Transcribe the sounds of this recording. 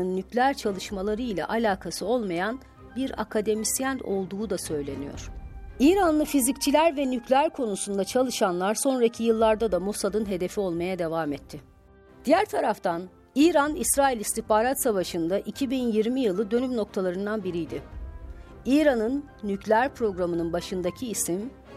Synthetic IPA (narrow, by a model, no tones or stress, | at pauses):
ɯnːyclʲæɾt͡ʃʰalˠɯʃmalˠaɾɯjlʲɛ̰ʔalʲaːkʰasɯo̞lˠmajan | biɾa̰kʰad̪e̞misjæno̞̰lˠd̪uːd̪asø̞jlʲe̞nijo̞̰ɾ̥iːɾanlːˠɯfizict͡ʃʰilʲæɾvɛnycʰlʲæɾkʰo̞nusund̪at͡ʃʰalˠɯʃanlˠaɾso̞nɾacʰijɯlˠːaɾd̪ad̪amosad̪ɯnɦe̞d̪e̞fio̞lˠmajad̪e̞vaːmɛt̪ʰːɪ | d̪̥ijæɾt̪ʰaɾaft̪ʰan | iːɾanisɾaːilʲist̪ʰihpaːɾat̪savaʃɯnd̪aʔicʰibinjiɾmijɯlˠɯd̪ø̞nymno̞k̚t̪ʰalˠaɾɯnd̪anbiɾijd̪ɪ | iːɾanɯnː | yclʲæɾpɾo̞ɡɾamɯnɯnbaʃɯnd̪acʰiːsim